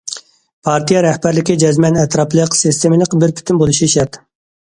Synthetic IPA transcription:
pʰɑɾt̪ijɑɾɛhbæɾlɪkʲid͡ʒɛzmɛnɛt̪ɾɑplˠəqsɪst̪ʰemɪlˠəqbɪɾpʰy̥t̪ʰynbolˠuʃiʃɛɾt̪

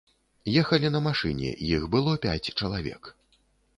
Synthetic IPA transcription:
jɛxɐlʲinɐmaʂɨ̰nʲɛ̰jixbɨlˠɔpʲa̰t͡sʲt͡ʂɐlˠavʲɛ̰k

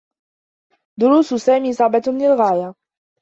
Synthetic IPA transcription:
d̪ʊɾuːssaːmiːsˤɑʕbɑlɪlɣaːja

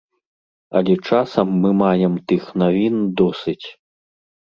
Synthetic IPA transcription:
ɐ̰lʲɛt͡ʂasɐmːɨmajɛmt̪ɨxnavʲind̪ɔsɨt͡sʲ

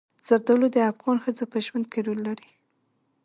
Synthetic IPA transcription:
z̥aɾd̪əwlod̪əafɣɑnxəzopəʒwand̪̚keɾullaɾi

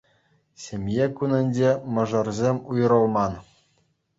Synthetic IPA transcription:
sʲemʲjekunʲɘ̆nʲd͡ʑemɤ̆ʐɤ̆rzʲemʲujɾɤ̆lˠmɑn

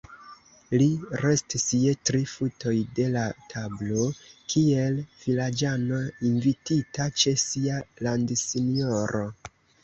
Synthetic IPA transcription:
liɾe̞stisietɾifuto̞jde̞latʰablo̞kʰie̞lv̥ilad͡ʒano̞invititat͡ʃe̞sialandsinioɾo̞

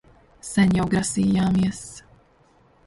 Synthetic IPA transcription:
sɛnjawɡɾasiːjaːmiɛs

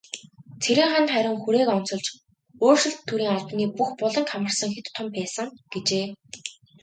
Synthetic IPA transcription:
t͡sʰeɾʲĭːŋχanχæɾʲʊ̆ŋxuɾeːkɔn̥t͡sɞ̆ɮt͡ɕ | oːrʃɪ̆ɬt̪ʰːuɾiːŋaɮpniːpuxpʊɮɞ̆ŋkʰamə̆rsə̆ŋxet̪t̪ʰːʊmpæːsə̆ŋɡ̥et͡ɕeː

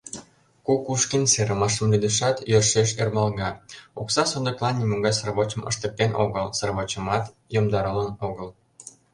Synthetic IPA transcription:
kukuʃkinseɾʔəmɑʃə̆mlyd̪əʃɑt̪jøʃeʃermɑlɣɑoksɑsond̪ə̆klˠɑnːimuŋɡɑjsroβot͡ɕəmə̰ʃt̪ək̚t̪eno̰ɣəlsərβot͡ɕəmɑt̪ | jomd̪ɑɾələnoɣəl

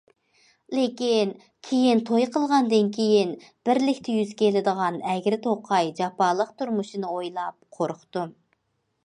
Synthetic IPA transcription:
lekʲin | kʲʰejint̪ʰojqʰəlˠʁɑnd̪ɨnkʲʰejinb̥ɪɾlɪkʲt̪ʰɛjyz̥kʲʰelɪd̪əʁɑnɛɡʲɾɪt̪ʰoqʰɑjd͡ʒɑpɑlˠəqt̪ʰuɾmuʃinɨojlˠɑp̚qʰoɾqʰt̪u

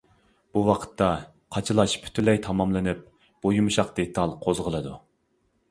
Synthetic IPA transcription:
b̥uwɑqʰə̥t̪ʰːɑ | qʰɑt͡ʃʰɨlˠɑʃpʰy̥t̪ʰylɛjt̪ʰɑmɑmlˠɨnɨp̚ | b̥ojumɨʃɑqd̪̥et̪ʰɑlˠqʰozʁəlˠɨd̪u

